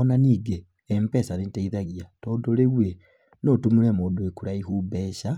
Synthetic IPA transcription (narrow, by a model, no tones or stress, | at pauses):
ɔnaniːɡe | ɛmpɛsanetaiðaɣiatɔdoɾeɣwe | notumuɾɛmoːdoekuɾaihuːbɛːʃa